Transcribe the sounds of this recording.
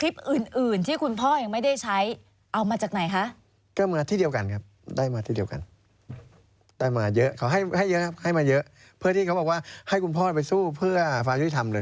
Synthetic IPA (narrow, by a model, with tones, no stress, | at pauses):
kʰli˦˥p̚ʔɯː˨˩nʔɯː˨˩nt̪ʰiː˥˩kʰu˧npʰɔː˥˩ja˨˩ŋma˥˩jda˥˩jt͡ɕʰa˦˥j | ʔa˧wmaː˧t͡ɕaː˨˩k̚na˨˩˦jkʰa˦˥ʔ | kɔː˥˩maː˧t̪ʰiː˥˩di˧əwka˧nkʰa˦˥p̚daː˥˩jmaː˧t̪ʰiː˥˩di˧əwka̰˨˧n | d̥aː˥˩jmaː˧jɤ˦˥ʔkʰa˩˦wɦa˥˩jha˥˩jːɤ˦˥kʰa˦˥p̚ha˥˩jmaː˧jɤ˦˥ʔ | pʰɯ˥˩t̪ʰiː˥˩a˦wbɔː˨˩k̚waː˥˩ha˥˩jku˧npʰɔː˥˩pa˧jsuː˥˩pʰɯ˥˩ɐfaː˧ŋju˦˥t̪i˧˩t̪ʰa˧mlɤː˧j